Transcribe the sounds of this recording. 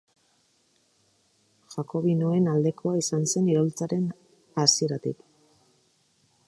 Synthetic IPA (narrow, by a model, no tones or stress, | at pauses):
ʝako̞βinoe̞nald̪e̞kʰo̞aisanse̞niɾo̞lt͡saɾe̞n | asie̞ɾat̪ik